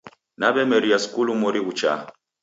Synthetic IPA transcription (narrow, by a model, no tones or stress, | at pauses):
naβɛmɛɾiaskulumɔɾiɣut͡ʃa̰